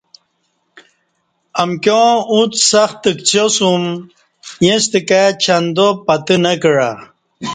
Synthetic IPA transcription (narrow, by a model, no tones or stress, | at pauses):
amkjõut̪saxt̪əkt͡ɕʰosum | jest̪ikat͡ɕʰand̪opat̪ənɐkɻa